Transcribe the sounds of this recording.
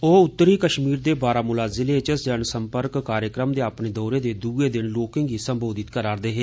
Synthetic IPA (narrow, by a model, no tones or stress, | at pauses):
oːʊt̪ːəɾiːkəʃmiːɾd̪eːbaːɾaːmʊlaːzɪleːt͡ʃəsd͡ʒəɳsəmpəɾkkaːɾjəkɾəmd̪eːapɳeːd̪ɔːɾeːd̪eːd̪uːeːd̪ɪnloːkɪ̃ːŋɡiːsəmboːd̪ɪt̪kəɾaːɾd̪eːɦeː